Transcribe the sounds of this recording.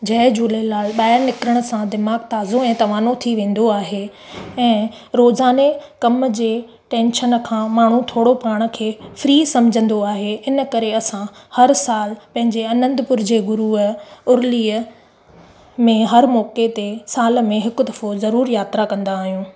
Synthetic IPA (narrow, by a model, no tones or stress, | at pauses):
d͡ʑɐd͡ʑuːlelaːlɓaːɪɾnɪkɾəɽ̃ə̆sãd̪ɪmaːɡt̪aːzoɛ̃ːt̪ɐʋaːnot̪ʰiʋẽːn̆d̪oaːɦe | ɛ̃ː | ɾoːzaːnekɐmd͡ʑeː | ʈẽːnʃənə̆kʰãːmaːɳ̤ũt̪ʰoːɽopaːɽ̃ə̆kʰeːfɾiːsɐ̃md͡ʑʱə̃nd̪oaːɦeɪnə̆kɐɾeɐsãhɐɾsaːlpɐ̃ɦɪ̃ɲd͡ʑeɐnə̃nd̪pʊɾd͡ʑeɡʊɾuəʊɾliːə | mẽɦɐɾmɔːket̪esaːlə̆mẽɦɪkd̪ɐfozɐɾuːɾjaːt̪ɾakɐ̃nd̪aːɦijũː